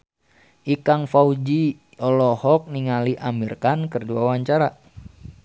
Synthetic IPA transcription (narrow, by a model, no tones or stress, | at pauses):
ʔikaŋfaud͡ʒi | ɔlɔhɔk̚niŋaliʔamirkankərduawaɲt͡ʃaɾa